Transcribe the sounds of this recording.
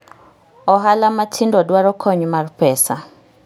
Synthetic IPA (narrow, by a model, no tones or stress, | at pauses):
ɔɦalamatʰindɔdwaɾɔkʰɔɲmarpɛsa